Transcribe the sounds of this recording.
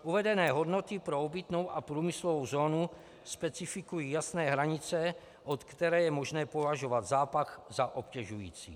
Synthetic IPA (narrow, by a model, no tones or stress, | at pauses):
ʔuvɛdɛnɛːɦo̞dno̞t̪ɪpɾoobɪt̪no̞wʔapɾuːmɪslovowzoːnu | spɛt͡sɪfɪkujiːjasnɛːɦɾaɲɪt͡sɛ | ʔot̪kt̪ɛɾɛːjɛmoʒnɛːpovaʒovad̪zaːpaxzaʔopcɛʒujḭːt͡sḭː